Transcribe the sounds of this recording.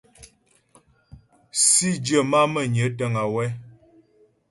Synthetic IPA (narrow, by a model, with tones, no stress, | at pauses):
si˦d͡ʒə˦˨ma˦mə˨ɲə˨˦tə˦ŋa˨wɛ˦